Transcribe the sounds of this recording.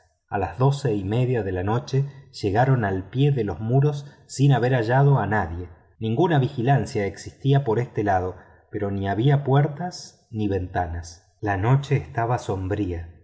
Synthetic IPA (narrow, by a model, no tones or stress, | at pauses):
alazðo̞seime̞ðjaðe̞lano̞t͡ʃeʒ̥eɣaɾo̞nalpje̞ðelo̞zmuɾo̞sː | inaβe̞ɾaʒaðo̞anaðje̞ | nĩŋɡunaβixilansjaeksist̪iapo̞ɾest̪elaðo̞ | peɾo̞niaβ̞iapweɾt̪as | niβe̞nt̪anas | lano̞t͡ʃe̞ːst̪aβaso̞mbɾia